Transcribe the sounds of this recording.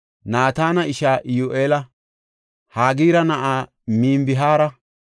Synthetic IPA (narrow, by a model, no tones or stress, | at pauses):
naːt̪aːnɐɪʃaːʔɪjoʔeːlɐ | haːɡiːɾɐnɐʔaː | miːmbɪɦaːɾɐ